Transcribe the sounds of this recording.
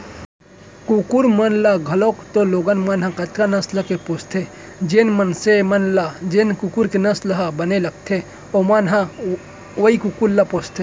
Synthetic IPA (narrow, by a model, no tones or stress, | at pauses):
kukuɾmɐnlaɡʱɐlokt̪oloːɡənmanɦãkɐt̪ɾanɐslɐkepoːst̪ʰe | d͡ʒenmənsemɐnlad͡ʒenkukuɾkenɐslɐɦabɐnelɐk̚t̪ʰe | omanɦã | ʋɐikukuɾlapoːst̪ʰe